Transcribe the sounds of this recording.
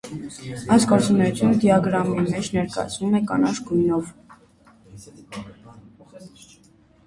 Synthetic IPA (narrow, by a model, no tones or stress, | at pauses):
ɑjsɡɔɾt͡sunɛjut͡s̪ʰjunəd̪jɑɡɾɑmimɛt͡ʃʰnɛɾkɑ̰jɑ̰t͡sʰnumɛkɑ̰nɑʃɡujnɔv